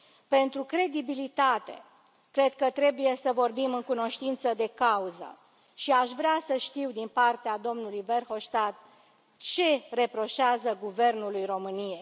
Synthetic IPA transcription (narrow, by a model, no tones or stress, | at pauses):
pe̞nt̪ɾukɾe̞d̪ibilit̪at̪e̞̰ | kɾe̞d̪kət̪ɾe̞buje̞səvo̞rbimɨŋkuno̞ʃt̪int̪səd̪e̞kauzə̰ | ʃiaʃvɾeasəʃt̪iwd̪inpart̪ead̪o̞mnulujve̞rho̞ʃt̪at̪̚ | t͡ʃe̞re̞pɾo̞ʃeazəɡuve̞rnulujro̞mɨnije̞j